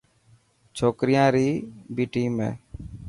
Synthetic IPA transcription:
t͡ʃʰoːkɾɪjãːɾiːbiːʈiːmḛ̃ː

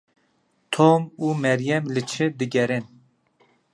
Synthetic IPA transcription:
t̪ʰomuːmɛɾjɛmlɨt͡ʃʰɨd̪ɨɡʲɛɾen

